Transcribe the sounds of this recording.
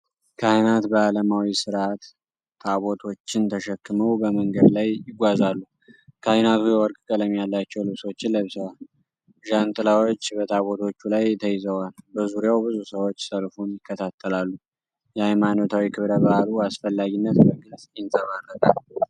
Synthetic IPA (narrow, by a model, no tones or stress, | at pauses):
kʰahnat̪bəaləmawisɨɾʔat̪ʰː | aβo̞t̪ʰo̞t͡ʃːɪnt̪ʰəʃɛkːɨməwbəməŋɡəd̪lajjɪɡʷazalːu | kʰahnat̪ʰujɛwɔɾkʼkʼələmjalːat͡ʃːɛwlɨβso̞t͡ʃːɪnləβsəwal | ʒant̪ʼɨlawot͡ʃːbət̪ʰaβo̞t̪ʰo̞t͡ʃːulajt̪ʰəjɪzəwalbəzuɾijawbɨzusəwo̞t͡ʃːsəlfunjɪkːət̪ʰat̪ʰːəlalːu | jɛajmano̞t̪ʰawikʰɨβɾəbahaluasfəlːaɡinːət̪bəɡɨsʼjɪnt̪ʰʼəmarːək̪ʼalu